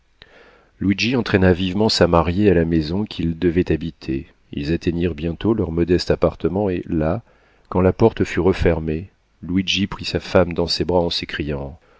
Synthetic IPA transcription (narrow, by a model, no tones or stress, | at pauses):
lwid͡ʒiɑ̃t̪χɛnavivmɑ̃samaʁjealamezɔ̃kʲʰild̪əvɛt̪abit̪ʰe | ilzat̪eniʁbjɛ̃t̪olœʁmɔd̪ɛst̪apaʁt̪əmɑ̃ela | kɑ̃lapɔʁt̪əfyʁəfɛʁme | lwid͡ʒipχisafamd̪ɑ̃sebʁaɑ̃səkχijɑ̃